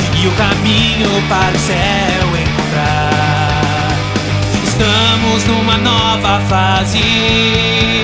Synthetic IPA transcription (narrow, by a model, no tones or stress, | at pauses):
ɪʊkamĩɲʊpaɾʊsɛ | wẽnt̪ɾa | ɾ | ɪst̪ɐ̃mʊznũmɐnɔ | vɐfazɪ